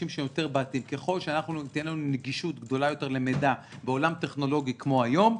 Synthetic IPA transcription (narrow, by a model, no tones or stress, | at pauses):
imʃeemjo̞t̪e̞ʁbaːt̪iimkeχo̞lʃeanaχnuit̪enlanuneɡiʃut̪ɡd̪o̞lajo̞t̪e̞ʁle̞med̪abe̞o̞lamt̪e̞χno̞lo̞ɡikmo̞ajo̞m